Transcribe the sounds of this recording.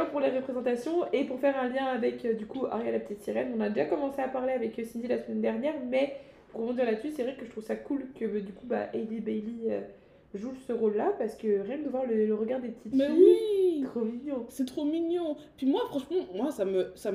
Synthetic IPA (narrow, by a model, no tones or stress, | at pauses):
ɛ̃puʁleʁəpχezɑ̃t̪asjɔ̃epuʁfɛʁɛ̃ljɛ̃avɛkød̪ykua̰ʁjalapət̪it̪siʁɛnɔ̃nad̪eʒakɔmɑ̃seapaʁleavɛkəsind̪ilasəmɛnd̪ɛʁnjɛʁmɛ | puʁəbɔ̃d̪iʁlat̪sysɛvʁɛkəʒət̪χuvsakulkəd̪ykuba̰ʔed̪ibɛjliø | ʒusəʁolːapaʁsə̥kəʁjɛ̃kd̪əvwaʁlələʁəɡaʁd̪epət̪it̪uit̪χomiɲjɑ̃sɛt̪χomiɲjɑ̃pɥimwafχɑ̃ʃmɑ̃mwasaməsam